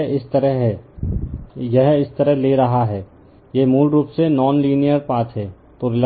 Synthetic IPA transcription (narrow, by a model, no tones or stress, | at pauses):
ɪst̪ɐɾəɦ | jɛɦɪst̪əɾəɦleːɾɐɦaɦɛː | jemuːlɾuːpsenɔːnliːnijəɾpaːtɦɛː | t̪oɾɪl